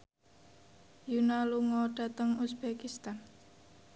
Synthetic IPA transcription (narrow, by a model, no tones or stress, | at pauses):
junaluŋɔɖ̥a̤t̪əŋusbekist̪an